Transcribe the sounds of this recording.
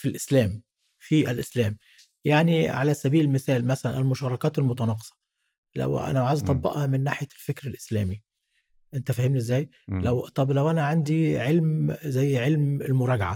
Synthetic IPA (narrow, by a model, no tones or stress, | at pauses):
filʔɪslæːm | fiʔælʔɪslæːm | jaʕniʕalæsæbiːllmɪsæːlmæsælænʔælmʊʃɑːɾˤɑkɑːt̪ælmʊt̪ˤɑnɑːqe̥sˤɑ̥ | læ̰wʔæ̰næwʕaːzæt̪ˤɑbːɑ̰ʔhɑmɪnːaːħjælfekɾɪlʔɪslæ̰ːmi | ʔent̪æfæhɪmniʔezːæːj | læwt̪ˤɑblæwʔænæʕand̪iʕelmzæjːʕelmɪlmʊɾˤɑɡʕa